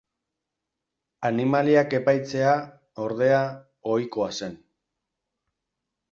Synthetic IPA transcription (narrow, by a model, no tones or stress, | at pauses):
animaliake̞pajt͡se̞a | o̞ɾðe̞a | o̞jko̞ase̞n